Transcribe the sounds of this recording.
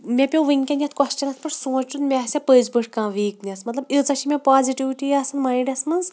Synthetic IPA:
mʲepʲowʋɨŋʲkʲɐnʲɐt̪̚ʰkɔst͡ʃɐnɐt̪̚ʰpɨʈsoːt͡ʃunmʲɛsʲɐpəjzbɨʈʰkãːʋiːknʲɐsmɐt̪lɐbit͡sɐʃʰimʲepaːziʈiʋiʈijɐsɐnmɐiɖʲɐsmɐnz

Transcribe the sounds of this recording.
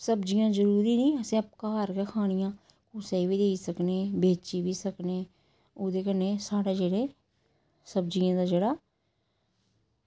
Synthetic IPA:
səbd͡ʒɪjãːzəɾuːɾiːnĩːəsẽːəp̚kaːəɾkeːkʰaːɽ̃ɪjãː | kʊːseiːʋiːd̪eːiːsəkneːbeːt͡ʃiːbiːsəkneː | oːd̪eːkənːeːsaːɽeːd͡ʒeːɽeː | səb̚d͡ʒɪjãːd̪aːd͡ʒeːɽaː

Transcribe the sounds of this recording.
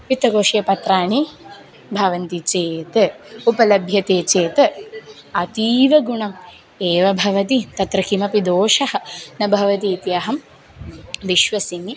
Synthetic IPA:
pit̪ːɐkoːʃijɐpɐt̪ɾaːɳi | bʱɐʋɐnt̪it͡ʃeːt̪ɐupɐlɐbʱjɐt̪eːt͡ʃeːt̪ɐ | ɐt̪iːʋɐɡuɳɐm | eːʋɐbʱɐʋɐt̪̬it̪ɐt̪ɾɐkimɐpid̪oːʃɐhɐ̆nɐbʱɐʋɐt̪̬iːt̪iɐɦɐm | ʋiʃʋɐsimi

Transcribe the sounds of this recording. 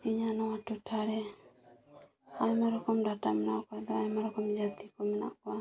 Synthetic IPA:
iɲanɔwaʈuʈʰaɾɛ | ajmaɾɔkɔmɖaʈamɛna̰kɔd̪ɔajmaɾɔkɔmd͡ʒat̪ikɔmɛna̰ʔkɔa

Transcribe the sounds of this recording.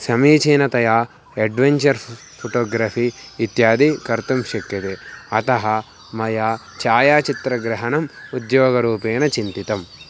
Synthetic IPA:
sɐmiːt͡ʃiːnɐt̪ɐjaː | eɖʋeɲt͡ʃɐɾ | pʰoʈoːɡɾaːfʰiːt̪jaːd̪ikɐɾt̪umʃɐkːɐt̪eɐt̪ɐɦɐ | mɐjaː | t͡ʃaːjaːt͡ʃit̪ɾɐɡɾɐɦɐnɐmud̪joːɡɐɾuːpeːnɐt͡ʃint̪it̪ɐm

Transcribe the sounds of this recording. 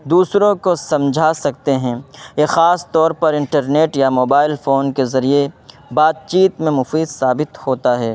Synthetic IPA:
d̪uːsɾõkosɐ̃md͡ʒʱasɐk̚t̪eɦɛ̃ːjexaːst̪ɔːɾpɐɾɪ̃ɳʈɐɾneːʈjamoːbaːɪlfoːnkezɐɾie | baːd̪̚t͡ʃiːt̪mẽmʊfiːd̪saːbɪt̪hoːt̪aɦɛː

